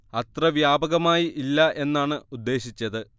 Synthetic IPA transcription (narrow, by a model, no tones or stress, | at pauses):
ɐt̪rɐʋjaːbɐɣɐmaːjiʔilːɐʔe̞nːaːɳɨud̪ːe̞ːɕit͡ɕːɐðɨ